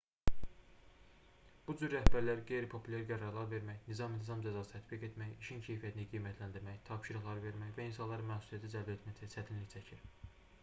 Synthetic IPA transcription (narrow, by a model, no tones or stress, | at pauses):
b̥ud͡ʒyɾːæhbæɾlæɾiɡe̞jɾipʰo̞pʰulʲæɾɡæɾɑɾlˠɑɾve̞ɾmæçnizɑmint̪ʰizɑmd͡ʒæzɑsɯ̥t̪ʰæt̪biɡe̞t̪mæjiʃincʰe̞jfijæt̪ʰiniɡijmæt̪ʰlænd̪iɾmæçt̪ʰɑpʃiɾɑt̪lˠɑɾɯve̞ɾmæçvæinsɑnlˠɑɾɯnmæxsuslˠijæt̪ʰid͡ʒælbet̪mæçt͡ʃʰæt͡ʃʰæt̪ʰinliçt͡ʃʰæcʰiɾ